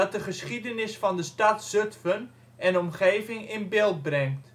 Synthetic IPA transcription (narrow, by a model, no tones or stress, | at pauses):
ɑt̚dəχəsχidənɪsfɑndəstɑtsøtfən | ɛnɔmχeːvɪŋɪnbɪlˠt̚brɛŋt